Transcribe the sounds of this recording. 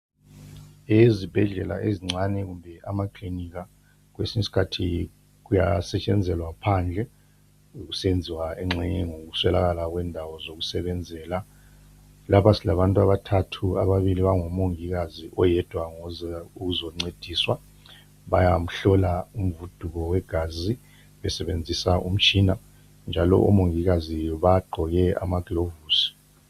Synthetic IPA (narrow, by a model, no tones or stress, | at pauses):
ezib̥ʱɛɮɛla̰ʔeziŋ͡ǀanɛɣumbʱɛʔamakʰliniɣa | ɣwesiɲisi̥kʰatʰi | ɣuja̰sɛt͡ʃʼɛnd͡zʱɛlwapʰand͡ɮʱɛ | uɣusend͡zʱiwaɛŋ͡ǁɛɲɛŋoɣuswɛlaɣalaɣwɛndʱawɔzoɣusɛβɛnd͡zʱɛːla | lapasilaβantʼuaβatʰatʰuaβaβiliβaŋɔmoŋiɣaziʔɔjɛd̥ʱwaŋɔzaukuzɔŋ͡ǀed̥ʱiswa | ɓajam̩ɬɔlaum̩vud̥ʱuɣɔwɛɡ̥ʱazi | ɓɛsɛβend͡zʱisaʔum̩t͡ʃʰʼina | nd͡ʒʱalɔ̰ʔo̰moŋiɣazijɔβaɡ͡ǃʱɔɣɛa̰maɡ̥ʱlovuːsi̥